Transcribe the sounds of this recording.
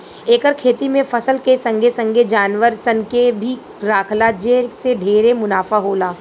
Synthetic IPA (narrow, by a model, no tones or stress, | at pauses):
eːkəɾkʰeːt̪imẽfɐsəlkesə̃ŋɡʱesə̃ŋɡʱed͡ʒaːnʋəɾsənkebʱi | ɾaːkʰlad͡ʒeseɖʱeːɾemʊnaːfaɦoːlaː